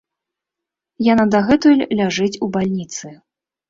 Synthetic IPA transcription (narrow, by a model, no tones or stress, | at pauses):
janad̪aɣɛt̪ulʲlʲaʐɨt͡sʲubalʲnʲit̪sɨ